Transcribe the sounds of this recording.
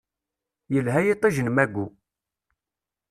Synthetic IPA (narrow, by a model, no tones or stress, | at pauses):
jəlɦæjit̪ˤːiʒənəmæɡʷːu